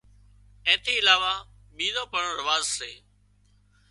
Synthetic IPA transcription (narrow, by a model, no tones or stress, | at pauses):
ɛ̃ːt̪ʰiːɪlaːʋaː | miːzõːpəɳɾɪʋaːzseː